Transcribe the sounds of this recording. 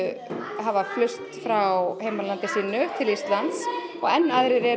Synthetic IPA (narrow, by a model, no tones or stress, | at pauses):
ɦavaflʏst̪fɾawheːjmaɾlant̪ɪsiːnʏt̪ʰɪlist̪lant̪sɔɣɛnːaðɾɪɾɛ